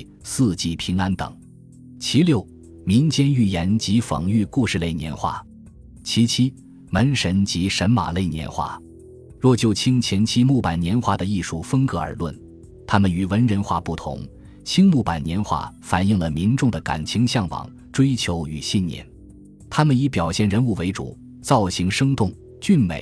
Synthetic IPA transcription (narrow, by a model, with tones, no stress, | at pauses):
sɹ̩˥˩t͡ɕi˧˥pʰi˧˥ŋa˥nt̪ɤ̰˨˩˦ŋ | t͡ɕʰi˧˥ljo˥˩ʊ | mi˧˥ŋt͡ɕjɛ˥ny˥˩jɛ˧˥nt͡ɕi˧˥fɑ̰˨˩ŋy˥˧ku˥˧ʂɻ̩˥˧le˥˩ɪnjɛ̰˧˥nxwa̰˥˩ | t͡ɕʰi˧˥t͡ɕʰi˥ | mə˧˥nʂə˧˥nt͡ɕi˧˥ʂə˧˥nma̰˨˩le˥˩ɪnjɛ̰˧˥nxwa̰˥˩ | ɻwɔ˥˧˩t͡ɕjo˥˩ʊt͡ɕʰi˥ŋt͡ɕʰjɛ˧˥nt͡ɕʰi˥mu˥˩pa˨˩nnjɛ˧˥nxwa˥˩d̪ə˨i˥˩ʂu˥˩fə˥ŋkɤ˧˥ə̰˞˧˥lwə̰˥˩n | t̪ʰa˥mə˨ny˨˩wə˧˥nɻə˧˥nxwa̰˥˧pu˥˩t̪ʰʊ̰˧˥ŋ | t͡ɕʰi˥ŋmu˥˩pa˨˩nnjɛ˧˥nxwa̰˥˩fa˨˩ni˥˩ŋlə˩mi˧˥nʈ͡ʂʊ˥˩ŋd̪ə˩ka̰˨˩nt͡ɕʰi˧˥ŋɕjɑ˥˩ŋwɑ̰˨˩ŋ | ʈ͡ʂwe˥ɪt͡ɕʰjo˧˥ʊy̰˨˩ɕi˥˧nnjɛ̰˥˩n | t̪ʰa˥mə˨ni˧˥pjɑ˨˩ʊɕjɛ˥˩nɻə˧˥nu˥˩we˧˥ɪʈ͡ʂṵ˨˩˦ | t͡sɑ˥˩ʊɕi˧˥ŋʂɤ˥ŋt̪ʊ˥˩ŋ | t͡ɕy˥˩nmḛ˨˩˦ɪ